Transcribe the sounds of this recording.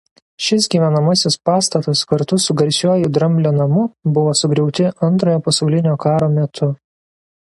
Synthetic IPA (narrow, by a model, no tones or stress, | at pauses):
ʃʲɪsɡʲiːʋʲɛnɐmɐsʲɪspɑːst̪ɐt̪ɐskɐɾt̪ʊsʊɡɐɾʲsʲuɔjʊd̪ɾɐmʲbʲlʲonɐmʊbʊʋoːsʊɡɾʲɛʊt̪ʲɪɐnt̪ɾoːjoːpɐsɐʊlʲɪnʲoːkɑːɾoːmʲɛt̪ʰʊ